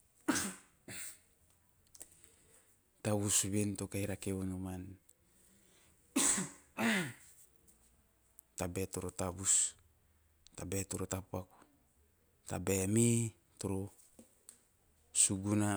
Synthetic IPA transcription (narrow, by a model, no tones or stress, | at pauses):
taβusβent̪okajɾakeunoman | tabetoɾotaβus | tabetoɾotapaku̥ | ta̰bemi | toɾo | suɡuna